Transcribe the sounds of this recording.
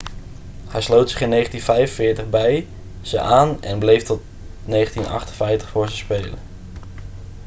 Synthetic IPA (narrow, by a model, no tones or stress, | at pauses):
hɛjslowtsɪχɪnːejχəntinvɛjənvɪːɹtəχbɛj | z̥əʔaːnɛ̰nblejftɔt̚ | nejχəntinɑ̰χtənvɛjftə̥χfʊːɹzəspejlə̰n